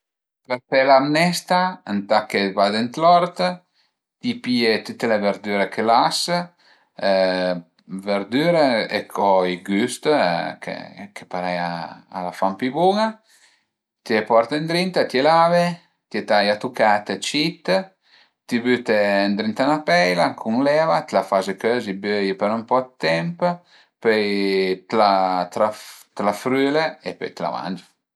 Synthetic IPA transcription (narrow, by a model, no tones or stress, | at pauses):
pɛɾtɛlamnɛst̪aənt̪akevad̪ent̪lɔɾt̪ | t̪ipiet̪ut̪ːeleveɾd̪yɾekʰelas | veɾd̪yɾeḛkʰɔiɡyst̪kʰḛkʰepaɾɛja̰ːlafampibuŋa | t̪iɛpɔɾt̪ənd̪ɾint̪at̪jelave | t̪jet̪ajat̪ukat̪ət͡ʃit̪ | t̪ibyt̪end̪ɾint̪anapɛjlakʰuŋlɛvat̪lafazekøzibøjpəɾumpɔd̪t̪ɛmp | pøjt̪lat̪ɾat̪lafɾyːleepø̰jt̪la̰va̰nd͡ʒ